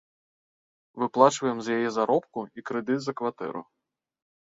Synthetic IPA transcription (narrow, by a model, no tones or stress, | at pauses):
ʋɪplˠɑt͡ʃʋɐjemzjajɛzɐɾɔpkʊikɾɪd̪ɪd̪zɐkʋɐt̪ɛ̰ɾʊ̰